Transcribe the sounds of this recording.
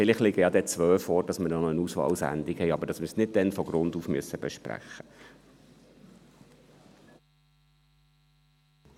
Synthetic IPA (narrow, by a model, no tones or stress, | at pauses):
fɪlɪχlɪɡəjɑd̪ɛt͡sʋœːfɔːɾd̥ɑsməɾnɔnənuːsʋɑ̰lsæ̰nd̪ikhɛɪɑbəɾd̥ɑsməɾsnɪd̚d̥ɛnfɔɡ̥ɾʊnduːfmyəsəbɛʃpɾæ̰χə̥